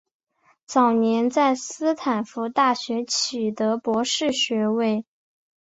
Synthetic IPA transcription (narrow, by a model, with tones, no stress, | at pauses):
t͡sɑ˨˩ʊnjɛ˧˥nt͡sa˥˩ɪsɹ̩˥t̪ʰa˨˩nfu˧˥t̪a˥˩ɕɥɛ˧˥t͡ɕʰi˨˩t̪ɤ˧˥pwɔ˧˥ʂɻ̩˥˩ɕɥɛ˧˥we˥˩ɪ